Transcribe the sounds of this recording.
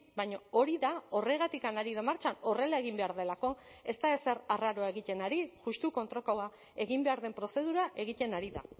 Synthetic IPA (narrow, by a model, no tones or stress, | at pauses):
bajɲoo̞ɾiðao̞re̞ɣat̪ikanaɾið̞amaɾt͡ʃano̞re̞lae̞ɣ̞imbe̞aɾðe̞lako̞ | e̞st̪ae̞se̞ɾaraɾo̞ae̞ɣit̪e̞naɾiʝust̪uko̞nt̪ɾo̞kawa | e̞ɣ̞imbe̞aɾðe̞mpɾo̞se̞ðuɾaʔe̞ɣ̞it̪e̞naɾiða̰